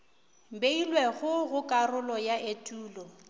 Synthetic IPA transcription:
m̩beilweɣʊɣʊkʼarʊlɔjaetʼuːlɔ

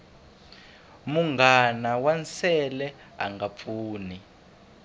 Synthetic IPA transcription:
muŋɡanawansɛlɛ | a̰ŋɡap̪fuːni

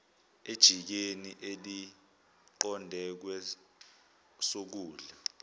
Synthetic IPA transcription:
ed̥ʒ̥ʱik̬eniʔeli | ǃɔndʱɛk̬wɛ | sok̬uːɮa

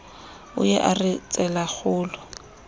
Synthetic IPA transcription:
ʊ̰jɛʔarɪt͡sʼɛlak͡xʰʊːlʊ

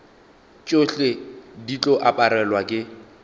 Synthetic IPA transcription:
t͡ʃʼoɬedit͡ɬʼɔʔapʼaɾɛlwakʼɪ

